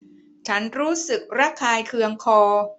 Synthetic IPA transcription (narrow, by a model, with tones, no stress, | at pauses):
t͡ɕʰa˦˥nɾuː˦˥sɯ˨˩k̚ɾa˦˥˩kʰaː˧jkʰɯ˧əŋkʰɔː˧